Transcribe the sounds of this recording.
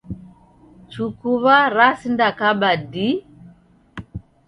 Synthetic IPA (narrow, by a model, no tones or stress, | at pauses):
t͡sukuβaɾasindakaɓadi